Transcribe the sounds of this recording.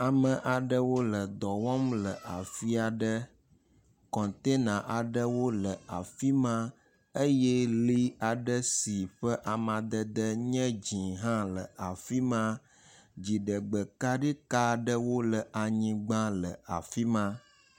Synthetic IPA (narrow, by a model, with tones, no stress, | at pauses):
a˨mə̃˨ʔa˨ɖə˦wo˦lə˨d̪ɔ˨wɔ˦mlə˨ʔa˨fi˦a˨ɖə˦ | kɔ̃˨nt̪e˦nã˨ʔa˨ɖə˦wo˦lə˨a˨fi˦mã˦ | ə˦jɛ˦li˦a˨ɖə˦si˨ɸə˦ʔa˨mã˨d̪ə˦d̪ə˦ɲɛ̃˦d͡ʑĩ˨ɦã˦lə˨a˨fi˦mã˦ | d͡ʑi˨ɖə˨ɡ͡bə˨ka˦ɖi˦ka˦ɖə˦wo˦lə˨ʔa˨ɲĩ˨ɡ͡bã˦lə˨a˨fi˦mã˦